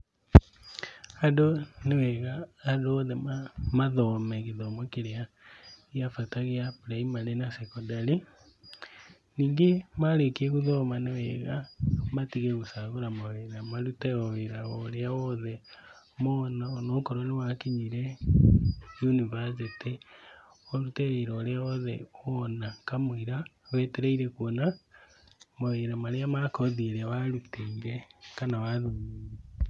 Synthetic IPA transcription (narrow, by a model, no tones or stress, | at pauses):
adonewɛɣaadɔðɛmaðɔmɛkeðɔmɔkeɾea | jafataɣeapɾaimalenasɛkɔdaɾi | niːŋɡemaɾekeɣoðɔmanewɛɣamatiɣeɣosaɣoɾamaweɾamaɾutɛɔweɾaɣɔɾeawɔðɛ | monanokoɾonewakiɲiɾe | junivasiti | oɾuteeɾoɾeaβoðḛonakamuiɾa | βeteɾeiɾekuona | moβeɾamaɾeamakoðiɾeβaɾuteiɾekanawaðuβie